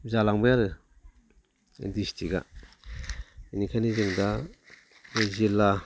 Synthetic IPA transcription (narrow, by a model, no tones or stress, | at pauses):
zalaŋbɯjaɾɯ | distʰiɡa̰ | inikʰanizɯŋda | zila